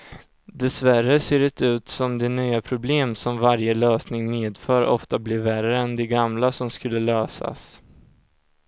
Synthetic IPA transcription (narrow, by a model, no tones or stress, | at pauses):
d̪ɛsværəseːɖɛt̪ʉ̟ːt̪sɔmd̪ɛnyːapʰɾʊbleːmsɔmvaɾjəløːsnɪŋmeːd̪fœːɾɔ̰ft̪ablɪɾværəɛnd̪ɛɡamlasɔmskɵlːəløːsa̰s